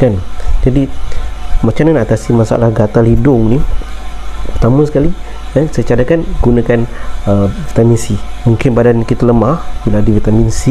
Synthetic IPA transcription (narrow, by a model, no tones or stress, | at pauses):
kand͡ʒadi | mat͡ʃananat̪asimasa̰lahɡat̪alidʊŋni | pərt̪amə̃sə̥kali | əsəjt͡ʃaɾakanɡunakanəvit̪aminsimuŋkɪnbadankit̪aləmahbiladivit̪aminsi